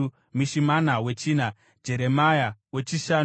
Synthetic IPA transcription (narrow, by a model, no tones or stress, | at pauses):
miʃimanawe̞t͡ʃina | d͡ʒe̞ɾe̞majawe̞t͡ʃiʃa